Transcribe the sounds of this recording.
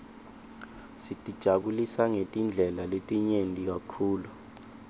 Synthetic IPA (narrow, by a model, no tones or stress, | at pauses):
sitʼid̥ʒ̥ʱaɓulisaŋetʼind͡ɮʱɛlaletʼiɲentʼik̬akʰuːlu